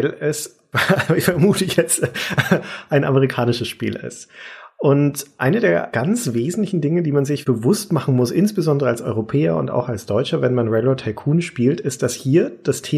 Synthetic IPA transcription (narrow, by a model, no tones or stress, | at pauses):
alɛs | vfɛɐmuːtəçɛt͡st | ʔaɪnʔa̰məʁ̞ikʰaːnɪʃəsʃpḭːlɪ̰stʔʊntʔaɪnədeːɐɡ̥ant͡sv̥eːzn̩tlɪçn̩dɪŋədiːmanzɪçb̥əvʊstmaχn̩mʊsʔɪnsb̥əzɔndəʁəalsɔʏʁopʰɛːɐʊ̰nta̰ʊxalsd̥ɔʏt͡ʃɐvɛnmanʁɛlotʰaɪkʰuːnʃpiːltɪstd̥ashiːɐd̥astʰeː